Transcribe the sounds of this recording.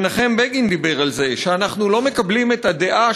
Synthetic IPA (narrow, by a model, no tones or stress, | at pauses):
naχe̞mbeɡind̪ibe̞ʁalze̞ʃeanaχnulo̞me̞kablime̞tad̪e̞ʔa